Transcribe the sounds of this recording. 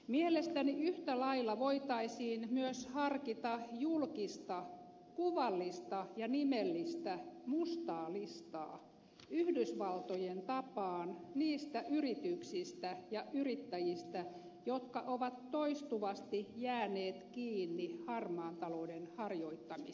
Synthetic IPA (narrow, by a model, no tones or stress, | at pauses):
mielest̪æniyht̪ælɑilːɑʋoit̪ɑisiːnmyøshɑrkit̪ɑjulkist̪ɑ | kuʋɑlːist̪ɑjɑnimelːist̪æmust̪ɑːlist̪ɑ̰ː | yhdysʋɑlt̪ojent̪ɑpɑːnniːst̪æʔyrit̪yksist̪æjɑʔyrit̪ːæjist̪æ | jot̪kɑʔoʋɑt̪ːoist̪uʋɑst̪ijæːneːt̪kiːnːihɑrmɑːnt̪ɑloudenhɑrjoit̪ːɑmi